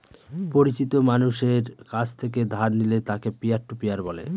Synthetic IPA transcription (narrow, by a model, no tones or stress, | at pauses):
poɾit͡ɕit̪omanuʃeɾkat͡ɕʰt̪ʰek̬ed̪ʱaɾnilet̪akepiaɾʈupiaɾbɔlḛ